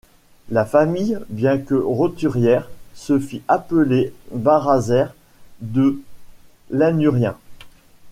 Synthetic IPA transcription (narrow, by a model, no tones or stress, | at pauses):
lafamijbjɛ̃kəʁot̪yʁjɛʁsəfiʔapəlebaʁazɛʁ | d̪ə | lɛnyʁjɛ̃